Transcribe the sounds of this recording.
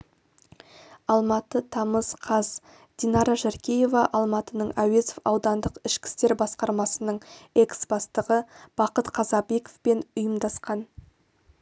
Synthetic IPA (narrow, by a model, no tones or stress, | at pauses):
ɑlˠmɑt̪ət̪ʰɑməzqʰɑz | d̪̥inɑɾɑʒæɾkʲeje̞vɑʔɑlˠmɑt̪ənəɴʔæwe̞zofɑwd̪ɑnd̪əqɪʃkʲɪ̥st̪e̞ɾbɑsqɑɾmɑsənəɴe̞ksb̥ɑst̪əʁəb̥ɑqət̪qʰɑzɑbe̞ko̥fpe̞nʊjəmd̪ɑsqɑn